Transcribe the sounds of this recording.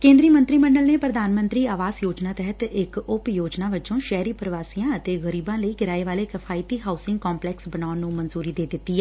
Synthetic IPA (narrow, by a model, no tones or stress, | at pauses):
kẽːnd̪ɾiːmə̃nt̪ɾiːməɳɖəlneːpɾəd̪aːnmə̃nt̪ɾiːaːʋaːzjoːd͡ʒnaːt̪ɛɦət̪ɪkʊpjoːd͡ʒnaːʋɪt͡ʃõːʃɛːɾiːpɾəʋaːsijãːət̪eːɣəɾiːbãːləiːɡɪɾaːeʋaːleːkɪpʰaːɪt̪iːɦaːʊsɪ̃ŋɡkɔːmplɛːksbənaːnũːmənzuːɾiːd̪eːd̪ɪt̪ːiːɛː